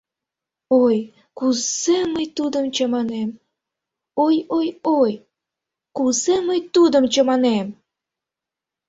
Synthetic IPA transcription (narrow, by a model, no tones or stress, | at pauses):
oj | kuzeməjt̪ud̪əmt͡ɕəmɑnem | ojojoj | kuzeməjt̪ud̪əmt͡ɕəmɑnem